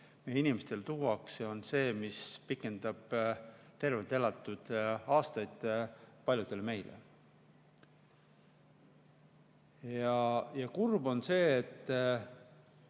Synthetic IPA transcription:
mejeinimest̪e̞lt̪uːwɑkseo̞nse̞ːmispikːˑe̞nd̪̥ɑb̥t̪e̞rvelt̪elɑt̪ːˑud̪̥ɑːst̪ɑjd̪̥pɑlʲjud̪̥e̞lme̞jlḛ | jɑjɑkurbo̞nse̞ːt̪ː

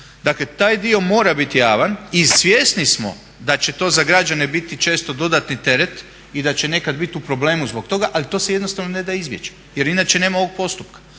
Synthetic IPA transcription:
d̪aklet̪aːjd̪io̞mo̞ːɾabit̪ijaːʋanisʋʲjest̪nismo̞̰ | d̪at͡ɕe̞t̪o̞ːzaɡɾad͡ʒane̞bit̪it͡ʃe̞ːst̪o̞d̪o̞d̪at̪nit̪e̞ɾe̞t̪ | id̪at͡ɕe̞ne̞kad̪bit̪iupɾo̞ble̞ːmuzbokt̪o̞ɡaʔalit̪o̞ːse̞je̞d̪no̞st̪aʋnone̞d̪aizbje̞t͡ʃe̥ | je̞ɾinaːt͡ʃe̞ne̞ːmao̞ʋo̞ɡ̚po̞st̪up̚kḁ

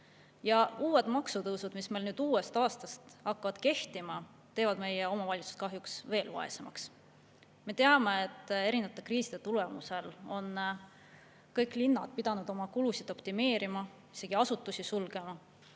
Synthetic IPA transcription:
jɑuːwe̞d̪̥mɑksut̪ɤwsud̪̥misme̞jlnyːd̪̥uːe̞st̪ɑːst̪ɑst̪ɑkːɑvɑd̪̥ke̞ht̪imɑ | t̪ːe̞ːvɑd̪me̞jeo̞mɑvɑlʲit̪su̥st̪̚kɑɦjuksve̞ːlvɑ̰e̞̰semɑ̰ks | me̞t̪e̞ɑme̞et̪ːˑe̞ɾinɑt̪ːˑe̞kriːsid̪̥e̞t̪ule̞muse̞lo̞n | kɤjkːˑlinːɑd̪̥pid̪̥ɑnud̪o̞mɑkulusid̪o̞pt̪ime̞ːɾimɑ | ise̞ɡ̥iɑsut̪ːˑusisulɡ̥e̞mɑ

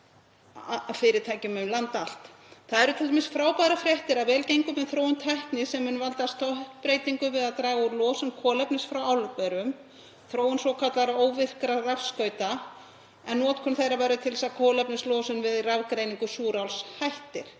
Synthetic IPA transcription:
fɪːɾɪt̪ʰaːjcʏmʏmlant̪al̥t̪ | θaðɛɾʏt̪ʰɪlemɪnsfɾaːwpaːɾafɾjɛht̪ɪɾavɛːlcejŋkʏmɛðθɾoːwʏmt̪ʰɛht̪nɪsɛmhʏnːvalt̪ast̪ʰɔht̪pɾejt̪iŋkʏvɪðaðt̪ɾaːɣauɾlɔːsʏnkʰɔːlɛpnɪsfɾawawlʏkɛɾʏm | θɾoːwɪnsvɔwkʰat̪laɾoːwvɪθkɾarafskœːɥt̪a | ɛnːɔːt̪kʰɔnθejravajɾʏt̪ʰɪlsakʰɔːlɛpnɪslɔːsʏnvɪðravkɾejniŋkʏsuːɾawlshajht̪ɪɾ̥

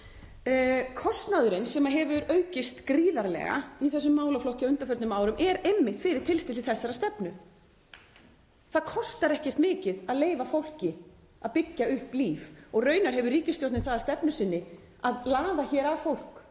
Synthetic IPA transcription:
kʰɔst̪naðʏɾɪnsɛmaɦɛvʏɾœːɥcɪst̪kɾiːðaɾlɛ̰ɣa̰iθɛsːʏmːaːwlaflɔhcɪaʏnt̪afœɾt̪nʏmaːwɾʏmɛɾejmːɪht̪fɪɾɪɾ̥t̪ʰɪlst̪ɪlɪθɛsːaɾast̪ɛpnʏ | θaðkʰɔst̪aɾɛhcɛr̥t̪mɪːcɪðaðleːjvafowl̥cɪ | aðpɪcːaʏhpliːfɔɣrœːɥnaɾ̥ɦɛvʏɾriːcɪst̪jowɾt̪ɪnθaðḁɾst̪ɛpnʏsɪnːɪ | aðlaːðaçɛːɾavfowl̥k

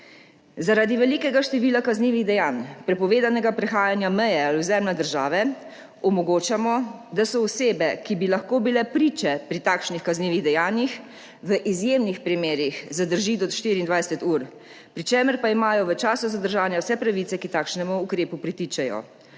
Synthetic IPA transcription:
zaɾaːd̪iʋɛliːkɛɡaʃt̪ɛʋiːlakazniːʋiɣd̪ɛjaːnpɾɛpɔʋeːd̪anɛɡapɾɛxaːjanjamɛjɛaluzɛmlad̪əɾʒaːʋɛ | ɔmɔɡoːt͡ʃamɔd̪asɔɔseːbɛkibilaxkoːbilɛpɾiːt͡ʃɛpɾit̪aːkʃnixkazniːʋiɣd̪ɛjaːnjix | ʋəʔizjeːmnixpɾimeːɾixzad̪əɾʒiːd̪ɔt̪ʃt̪iɾiːnd̪ʋajsɛt̪uːɾ | pɾit͡ʃeːməɾpaimaːjɔʋət͡ʃaːsɔzad̪əɾʒaːnjawsɛpɾaʋit̪ɛkit̪aːkʃnɛmuːkɾeːpupɾit̪iːt͡ʃɛjɔ̰

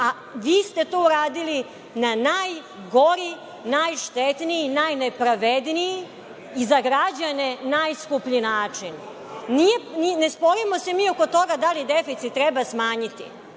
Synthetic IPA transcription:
a | ʋiːst̪e̞t̪ouɾaːd̪ili | nanaj | ɡo̞ɾi | najʃt̪et̪nijinajnepɾaʋed̪nijiː | zaɡɾad͡ʑane̞najskupʎinaːt͡ʂin | nijeninespo̞ɾimose̞miːoko̞t̪o̞ɡad̪alid̪efit̪sit̪̚ːɾɛbasmaːɲit̪ḭ

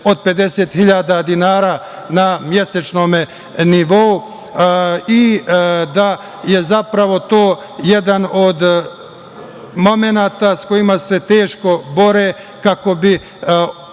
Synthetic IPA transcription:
o̞d̪̚pe̞d̪e̞seːt̪xiʎaːd̪ad̪inaːɾaː | namjeset͡ʃno̞ːme | niʋo̞u | id̪a | jezapɾaʋo̞t̪oː | jed̪anod̪ | mo̞menaːt̪asko̞imase̞t̪e̞ːʃko̞bo̞ɾeː | kako̞bi

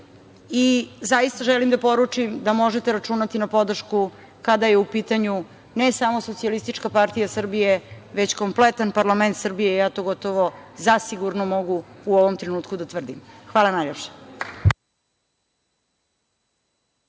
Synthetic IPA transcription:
izajist̪aʒɛlimd̪apo̞ɾut͡ʂimd̪amo̞ʒet̪eɾat͡ʃuːnat̪inapo̞d̪r̩ʃku | kad̪ajeupiːt̪aɲu | nesamo̞so̞t̪sialist̪it͡ʃkapaɾt̪ijasr̩bije̞ʋet͡ɕko̞mplet̪anpaɾlˠament̪sr̩bije̞jaːt̪o̞ɡo̞t̪oʋozasiɡuɾnomo̞ɡuuoʋomt̪ɾenuːt̪kud̪at̪ʋrd̪imxʋaːlanajlʎʲepʃe̥

